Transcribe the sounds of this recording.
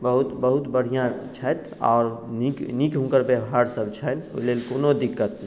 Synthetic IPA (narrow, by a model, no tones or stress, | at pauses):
bəɦut̪bəɦut̪bəɽ̤ijãt͡ʃʰəjt̪ | ɔ̰ːɾniknikɦũkəɾbjəbɦaɾsəbʱt͡ʃʰəno̰ilelkoːnod̪ikːət̪̚